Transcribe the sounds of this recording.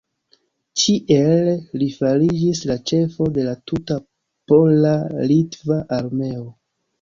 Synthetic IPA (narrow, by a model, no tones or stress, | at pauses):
t͡ʃiʔellifaɾid͡ʒislat͡ʃe̞fo̞de̞latuta | po̞lalitvaʔaɾme̞o̞